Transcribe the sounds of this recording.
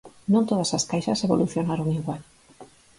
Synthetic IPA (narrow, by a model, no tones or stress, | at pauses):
nõnt̪oð̞asaskajʃɐseβo̰lʔuθjonaɾoŋiɣwal